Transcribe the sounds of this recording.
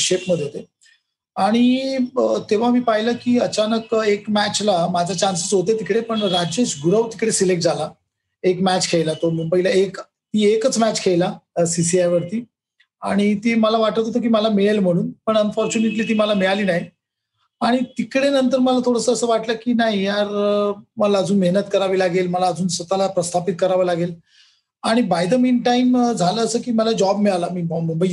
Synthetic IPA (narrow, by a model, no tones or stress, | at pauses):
ɕepməd̪ʱjeɦot̪e | aɽ̃i | t̪eʋ̤amiːpaɦiləkiːət͡ɕanəkekmæt͡ɕlamad͡zʱat͡ɕansət͡sɦot̪et̪ikɽepəɳɾad͡ʑeɕɡʱuɾəʋt̪i̥kɽesilek̚ʈ̚d͡zʱala | ekmæt͡ɕkʰejlat̪omubəɦilaek | t̪iːekət͡smæt͡ɕkʰeɭlasis̬iajʋəɾt̪iː | a̰ɽ̃it̪iːməlaʋaʈət̪ot̪̬ok̬iːməlamiɭelm̤əɽ̃uːnpəɳənfɔɾt͡ɕuneʈliːt̪iːməlamiɭaliːnaɦi | aɽ̃it̪ikɽenənt̪əɾməlat̪ʰoɽəsəəsəːʋaʈləkiːnaɦijaɾməlaəd͡zuːnmeɦnət̪kəɾaʋiːlaɡelməlaəd͡zuːnsʋət̪alapɾəst̪ʰapit̪̚kəɾaʋəlaɡel | aɽ̃ibajd̪əmiːnʈaimd͡zʱaləːsəːkiːməlad͡ʑɔbmiɭalamiːbməmbə